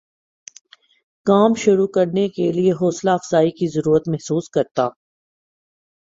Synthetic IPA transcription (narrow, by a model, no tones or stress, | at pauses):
kaːmʃʊɾukɐɾnekelieɦɔːslaɐfz̥aːikizɐɾuːɾət̪mɛɦsuːskɐɾt̪aː